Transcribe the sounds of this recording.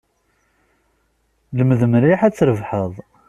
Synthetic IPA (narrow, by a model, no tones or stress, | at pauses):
ləməðəmɾiħæt͡sːɾəvħəðˤ